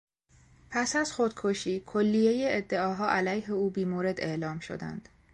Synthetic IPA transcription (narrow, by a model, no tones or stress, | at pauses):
pʰæsæzxod̪̥kʰoʃiːkʰolːijejeed̪ːe̞ɒːɦɒːʔælæjɦe̞uːbiːmoːɾe̞d̪e̞ʔlɒːmʃo̞̰d̪æ̰nd̪̥